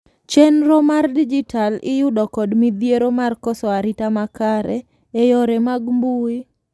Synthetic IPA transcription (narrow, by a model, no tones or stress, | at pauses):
t͡ʃɛnɾɔmardid͡ʒitalɪjʊdɔkɔdmid̪jeɾomarkɔsɔaɾɪtamakaɾɛ̰ | ejɔɾɛmaɡmbuɪ